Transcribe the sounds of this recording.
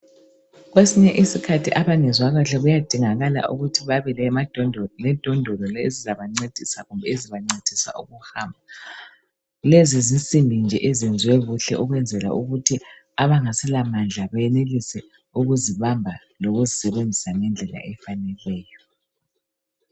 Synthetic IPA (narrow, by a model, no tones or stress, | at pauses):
ɣwesiɲɛʔisikʰatʰiʔaβanɛzwaɣaɬɛɣujad̥ʱiŋaɣala̰ʔṵɣutʰiβaβɛlɛmadlɛd̥ʱɔndʱɔlɔlezizaβaŋ͡ǀed̥ʱisaɣumbʱɛeziβaŋ͡ǀed̥ʱisa̰ʔuɣuhambʱa | lezizint͡sʼimbʱind͡ʒʱɛʔezind͡zʱiwɛβuɬɛ̰ʔuɣwɛnd͡zʱɛla̰ʔṵɣutʰi | aβaŋasɛlamand͡ɮʱaβajɛnelisɛ | uɣuziβambʱa | loɣuzisɛβend͡zʱisaŋɛnd͡ɮʱɛla̰ʔɛfanɛlwɛːjɔ